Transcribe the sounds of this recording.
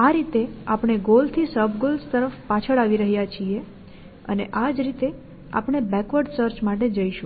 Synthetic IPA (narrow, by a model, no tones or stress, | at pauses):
aɾit̪eapɳ̃eɡolt̪ʰisəbɡolst̪əɾəfpat͡ʃʰəɭaʋiɾəɦijat͡ʃʰie | ə̰neʔad͡ʒɾit̪e | a̰pɳ̃ebɛkʋəɖsəɾt͡ʃmaʈed͡ʒəiʃũ